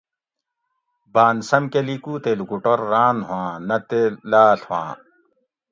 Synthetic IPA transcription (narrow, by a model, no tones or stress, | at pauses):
baːnsɐmkelikuːt̪eːlukuʈoɾːaːnɦãːnɐt̪elaːɬhwã̰ː